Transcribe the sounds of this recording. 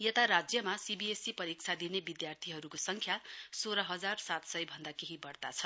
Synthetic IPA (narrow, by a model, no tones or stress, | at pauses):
jet̪aɾad͡zjʌmasibiesipʌɾik̚t͡sʰad̪inebid̪jart̪ʰiɦʌɾukosʌŋkʰjasoɾʌɦʌd͡zarsat̪sʌjbʱʌnd̪akeɦibʌrt̪at͡sʰʌ